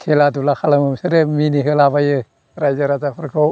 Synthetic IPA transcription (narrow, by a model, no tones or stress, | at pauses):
kʰeladulaxalaməmsəɾəminiɦəlabajə | ɾaid͡ʒəɾat͡ʃafuɾkʰo